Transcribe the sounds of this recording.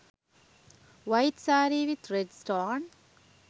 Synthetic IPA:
ʋaɪʈsaːɾiʋɪt̪ɾɛɖsʈɔn

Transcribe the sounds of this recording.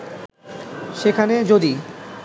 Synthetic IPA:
ʃekʰaned͡ʑod̪i

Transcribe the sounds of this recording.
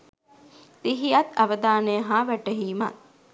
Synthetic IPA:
t̪iɦijat̪aʋəd̪aːnəjəɦaːʋæʈəɦiːma̰t̪̚

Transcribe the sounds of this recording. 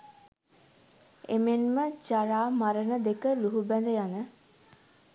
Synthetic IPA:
emenməd͡ʒaɾaːmaɾənəd̪ekəluɦubænd̪əjanə

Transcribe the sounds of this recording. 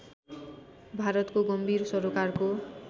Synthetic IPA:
bʱaɾɔt̪koɡʌmbʱiɾsɔɾokaɾko

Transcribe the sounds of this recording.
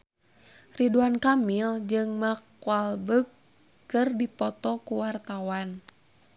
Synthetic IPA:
riduankamild͡ʒɨŋmakualbəkː | ɨrdipɔt̪ɔkuwart̪awan

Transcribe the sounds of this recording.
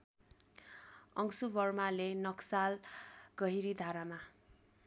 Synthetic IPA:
ʌŋsubʌrmalenʌksalɡ̥ʌɦiɾid̪ʱaɾama

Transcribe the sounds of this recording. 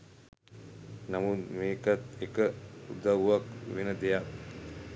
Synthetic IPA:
namut̪meːkat̪̚ekəṵd̪aʋʋakʋenəd̪ejak

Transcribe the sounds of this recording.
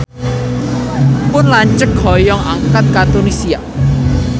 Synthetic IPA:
pʊnlaɲt͡ʃək̚ɦɔjɔŋaŋkat̪̚kat̪unisia

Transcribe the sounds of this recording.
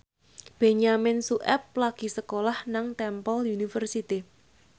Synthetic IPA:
b̥e̤ɲamɪnsuʔɛp̚laɡ̥i̤səkolahnaŋt̪ɛmpɔlunifərsit̪i

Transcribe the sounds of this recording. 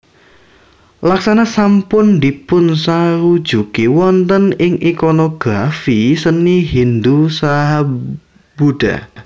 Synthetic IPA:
laksanasampʊnd̪ipʊnsaɾud̥ʒ̥ukiwɔnt̪ənɪŋikonoɡ̥ɾafisəniɦind̪usaɦa | b̥uɖ̥a̰

